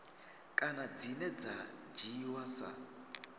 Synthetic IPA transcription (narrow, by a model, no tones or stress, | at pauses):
kʼanad͡zinɛd͡zad͡ʒiwasa̰